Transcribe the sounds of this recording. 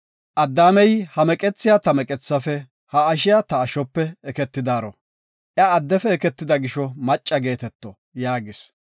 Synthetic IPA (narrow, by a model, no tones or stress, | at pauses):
ʔɐd̪ːaːmɛjhɐmɛkʼɛt͡sːɪjat̪ɐmɛkʼɛt͡sːɐfɛ | hɐːʃɪjat̪ɐːʃɔpːɛːkɛt̪ːɪd̪aːɾɔ̰ | ʔjɐːd̪ːɛfɛɛkɛt̪ːɪd̪ɐɡɪʃɔmɐt͡ʃʼːɐɡe̞ːt̪ɛt̪ːɔ | jaːɡɪs